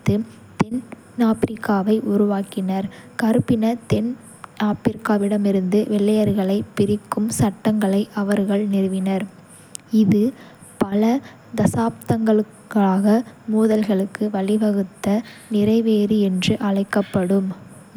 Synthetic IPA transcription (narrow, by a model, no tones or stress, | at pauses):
t̪ːɯ | t̪ɛn | aːpɪɾɪkːaːʋɐɪʔʊɾʊʋaːkɪnɐɾkɐɾɯpːɪnɐt̪ɛn | aːpɪɾkːaːʋɪɽɐmɪɾɯnd̪ɯʋɛɭːɐjɐɾɣɐɭɐɪpːɪɾɪkːɯmsɐʈːɐŋɡɐɭɐɪʔɐʋɐɾɣɐɭnɪɾɯʋɪnɐɾ | ɪðɯ | pɐlɐ | d̪ɐsaːp̚t̪ɐŋɡɐɭ | ɣɐɭaːɣɐmuːðɐlɣɐɭɯkːɯʋɐɭɪʋɐɣɯt̪ːɐnɪrɐɪʋeːɾiɛndrɯʔɐɭɐɪkːɐpːɐɽɯm